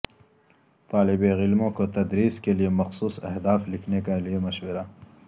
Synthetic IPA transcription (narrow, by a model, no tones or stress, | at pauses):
t̪aːlɪbeɣɪlmõkot̪ɐd̪ɾiːskelijemɐxsuːsɐɦd̪aːflɪkʰnekaliemɐʃwɪɾa